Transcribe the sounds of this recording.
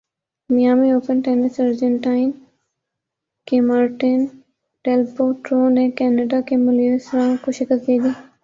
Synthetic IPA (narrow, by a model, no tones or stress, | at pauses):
mijaːmioːpənʈɛːnɪsəɾd͡ʒə̃ɳʈaːɪn | kemaːɾʈɪn | ɖɛːlpoʈɾoːnekɛːnəɖakemʊljosɾãkoʃɪkəkid̪iː